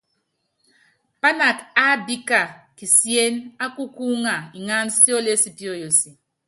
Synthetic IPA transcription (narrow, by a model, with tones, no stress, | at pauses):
pa˦na˨ka˦bi˦ka˦˨ki˨sje˦na˦ku˦ku˦ŋa˨i˨ŋa˦n˦si˦o˦le˦si˦˨pi˦o˦˨jo˨si˨